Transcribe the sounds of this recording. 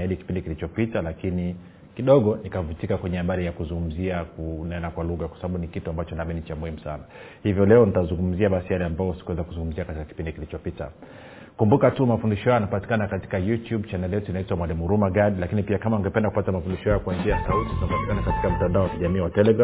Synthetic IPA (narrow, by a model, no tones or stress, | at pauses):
iliki̥pindikilit͡ʃɔpitalakini | kiɗɔɠɔnikavutikakwɛɲɛhaɓaɾijakuzuŋɡum̩ziakunɛnakwaluɣakwasaɓaɓunikituambat͡ʃɔnamɛnit͡ʃamuhimusa̰na | hivjɔlɛɔnitazuŋɡum̩ziaɓasijalɛambajɔsi̥kuɛzakuzuŋɡum̩ziakatikaki̥pindikilit͡ʃɔpita | kumbukatumafundiʃɔhajanapati̥kanakati̥kajutjuɓt͡ʃanɛlijɛtuinaitwamwalimuɾumaɠaɗilakinipiakamaŋɡɛpɛndaku̥patamafundiʃɔhajɔkuwanziasautinapati̥kanakati̥kam̩tandaɔwakiʄamiːwatɛlɛɡɾa